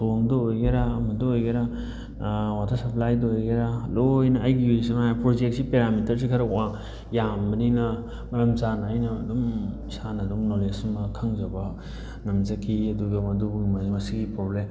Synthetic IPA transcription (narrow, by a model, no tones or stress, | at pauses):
toŋdɔojɡeɾaːmɐdɔojɡeɾa | watʰɐɾsɐpʰlajdɔojɡeɾalojnɐːjɡiusiŋaapɾod͡ʒek̚sipeɾamitʰɐɾs̬ikʰɐɾɐkwaŋ | jambɐninɐ | mɐɾɐmzanaːjnɐ̰ːdum | sanɐdumnolesmɐkʰaŋzɐbɐ | nɐmzɐkʰiɐduɡɐmɐdubuŋmamasiɡipɾoblem